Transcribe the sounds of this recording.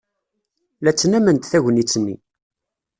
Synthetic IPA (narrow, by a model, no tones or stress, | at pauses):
læt͡sːnæmənt̪θæʝənit͡sːənːḭ